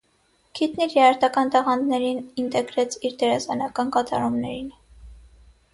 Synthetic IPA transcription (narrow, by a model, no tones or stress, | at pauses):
kʰit̪niɾjɛɑɾt̪ɑkɑnt̪ɑʁɑnd̪nɛɾinint̪ɛɡɾɛt͡sʰiɾd̪ɛɾɑsɑnɑkɑnkɑt̪ɑ̰ɾumnɛɾin